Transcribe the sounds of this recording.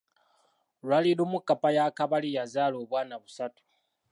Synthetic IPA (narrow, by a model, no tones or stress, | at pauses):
lwalilumukːapajakaβalijazaːloβwaːnaβusatu̥